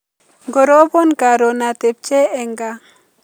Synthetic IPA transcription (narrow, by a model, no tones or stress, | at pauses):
ɡɔɾɔbɔnkaɾɔnat̪ɛp̚t͡ʃɛɛŋɡa